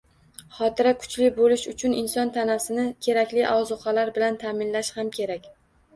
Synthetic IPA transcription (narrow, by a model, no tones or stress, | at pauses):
χɒt̪ʰɪɾakʰʊ̥t͡ʃʰlɪbolɪʃʊt͡ʃʰʊnɪnsɒnt̪ʰanasɪnɪkʲʰe̞ɾakʲlɪʔɒwzʊqʰalaɾbɪlant̪ʰamɪnlaʃhamkʲʰe̞ɾakʲ